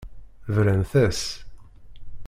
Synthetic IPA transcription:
vɾænθæs

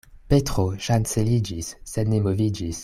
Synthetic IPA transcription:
pet̪χoʃanselid͡ʒisːɛnːemovid͡ʒis

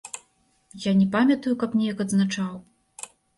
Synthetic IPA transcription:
janʲɛpamʲɐt̪ujukɐpnʲɛjɐkɐd̪znat͡ʂaw

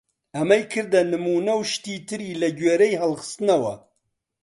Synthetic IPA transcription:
ɐmɐjkʰɨɾd̪ɐnɨmuːnɐwʃt̪iːt̪ʰɨɾiːlɐɟweːɾejɦɐlxɨ̥st̪ɨnɐwɐ̰

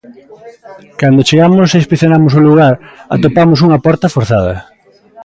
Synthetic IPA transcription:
kand̪ot͡ʃeɣamʊsespiθjonamʊsoluɣaɾa̰t̪opamʊs̬uŋɐpɔɾt̪ɐfoɾθað̞ɐ̰

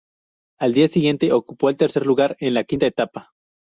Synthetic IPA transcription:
ald̪iasiɣje̞nt̪eʔokupoelt̪eɾseɾluɣaɾenlakint̪aet̪apa

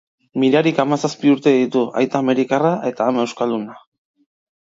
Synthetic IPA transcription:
miɾaɾikamasaspiuɾt̪e̞ðit̪ua̰jt̪aːme̞ɾikaraʔe̞t̪aːme̞wskaluna

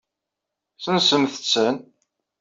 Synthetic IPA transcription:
θənsəmθə̥t͡sːən

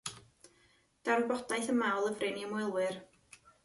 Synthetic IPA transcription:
d̥arbɔd̥ajθəmawlˠəvreniəmwɛlˠwɨr

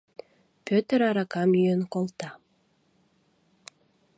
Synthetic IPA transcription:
pʲøt̪ɾaɾakɑmyjønkolˠt̪ɑ

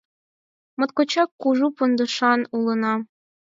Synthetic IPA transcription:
mŏt̪kot͡ɕɑkːuʒupund̪ɤ̆ʃɑnulˠɤ̆nɑ

